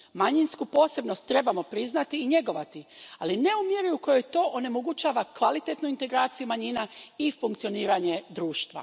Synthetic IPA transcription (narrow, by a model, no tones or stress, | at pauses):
maɲinskupo̞ːse̞bno̞st̪ːɾe̞bamo̞pɾiznat̪iːɲe̞ɡo̞ʋat̪ialine̞umjeɾiuko̞jo̞jt̪o̞ːʔone̞moɡut͡ʃaːʋakʋalit̪e̞t̪nuint̪e̞ɡɾaːt̪sijumaɲinaifuŋkt̪sio̞niːɾaɲe̞d̪ɾuːʃt̪ʋa̰